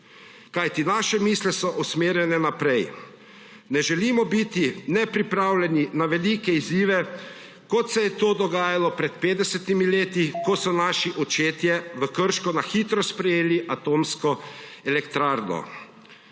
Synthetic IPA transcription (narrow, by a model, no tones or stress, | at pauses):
kajt̪inaːʃɛmiːslɛsɔʔusmeːɾjɛnɛnapɾɛj | nɛʒɛlimɔbit̪inɛpɾipɾaːwlʲɛninaʋɛlikɛiziːʋɛ | kɔt̪sɛjɛt̪oːd̪ɔɡaːjalɔpɾɛt̪̚peːd̪d̪ɛsɛt̪imileːt̪ikɔsɔnaːʃiʔɔt͡ʃeːt̪jɛʋəkəɾʃkɔnaxiːt̪ɾɔspɾɛjeːliʔat̪oːmskɔɛlɛkt̪ɾaːɾnɔ̰